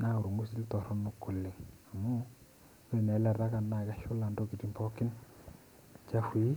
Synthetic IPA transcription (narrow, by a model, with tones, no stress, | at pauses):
na˦u˨ɾu˨ŋɡu˦si˦ltɔ˨ɾɔ˦no˦kːʊ˨lːɪ˨ŋa˨mu˦ | ke˦˨nɛ˨˦lɛ˦˨ɾa˦ka˨nːa˨ka˦ʃʊ˦la˨ndo˦ki˨ti˨mpɔ˦kɪ˦n | t͡ʃa˦fi˦